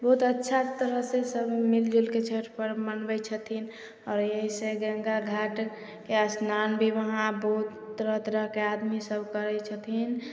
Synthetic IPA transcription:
bɔɦut̪ətːʃʰat̪əɾəɦsesəbmɪld͡ʒelket͡ʃʰeɾpəɾmənbət͡ʃʰət̪ʰin | ɔːɾjəɦiseɡə̃ŋɡaɡʱaːʈ | keəsnaːnbʱiʋəɦãbɔut̪ːəɾəɦt̪əɾəɦkead̪misəbʱkəɾɛt͡ʃʰət̪ʰin

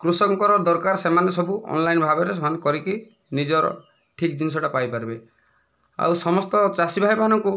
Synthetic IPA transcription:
kɾusɔŋkɔɾɔd̪ɔɾkaɾsemanesɔbuʔɔ̰nlajnbʱabɔɾesɔɦankɔɾiki | nid͡ʒɔɾɔ̰ | ʈʰikd͡ʒinis̬ɔʈapajpaɾibe | a̰wsɔmɔst̪ɔt͡ʃasibʱajmanɔŋku

